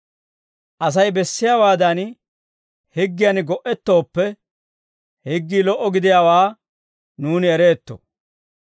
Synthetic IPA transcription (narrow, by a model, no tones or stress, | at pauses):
ʔɐs̬ɐjbɛsːɪjaːwaːd̪ɐn | hɪɡːɪjɐnɡɔʔɛt̪ːo̞ːpːɛ | hɪɡːiːlɔʔːɔɡɪd̪ɪjawaː | nuːnɪɛɾe̞ːt̪ːo̰